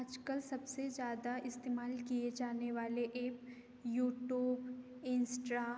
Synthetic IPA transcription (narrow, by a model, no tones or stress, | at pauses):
aːd͡ʒkəlsɐbsed͡ʒjaːd̪aʔɪst̪eːmaːlkied͡ʒaːneʋaːleʔeːp | juːʈjuːb | ɪ̃nsʈɾa